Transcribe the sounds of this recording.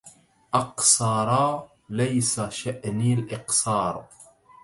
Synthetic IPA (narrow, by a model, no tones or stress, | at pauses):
ʔɑqsɑːɾˤɑ | lajsaʃaʔnilʔɪqsɑːɾˤ